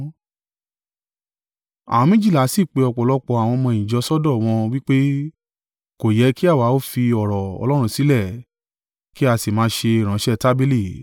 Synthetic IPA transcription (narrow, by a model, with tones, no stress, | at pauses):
a̰˨w̃ɔ̃˧mĩ˦d͡ʒi˦˨la˨˦si˦˨k͡pe˧ɔ˧k͡pɔ˨lɔ˦k͡pɔ˧a˨w̃ɔ̃˧mɔ̃˧ĩ˨d͡ʒɔ˧˦sɔ˦dɔ̃˦˨w̃ɔ̃˧wi˦k͡pe˦ | ko˨jɛ˨˧˦ki˦a˦˨wa˨˦o˦fi˧ɔ˨ɾɔ˨ɔ̰˧lɔ˦ɾ̃ũ˧si˨˦lɛ˦˨ | ki˦a˧si˨mãː˨˦ʃe˧i˨ɾ̃ã˨˦ʃɛ˦˨ta˦be˦li˦˨